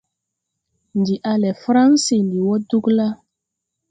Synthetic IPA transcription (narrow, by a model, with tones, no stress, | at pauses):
ndi˨ʔa˦lɛ˨fɾa˦nsi˨ndi˨wɔ˦du˦kla˦